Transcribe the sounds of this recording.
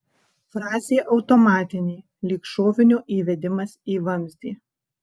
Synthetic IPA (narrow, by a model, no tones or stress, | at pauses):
fɾɑːzʲeːʔɒʊt̪ɔmɑːt̪ʲɪnʲeː | lʲiːkʃoːʋʲɪnʲuːʔiːʋʲɛd̪ʲɪmɐsiːʋɐmʲzʲd̪ʲiː